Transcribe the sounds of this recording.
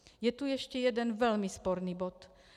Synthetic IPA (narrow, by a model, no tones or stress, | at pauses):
jɛt̪ujɛʃcɛjɛdɛnvɛlmispoɾniːbot̪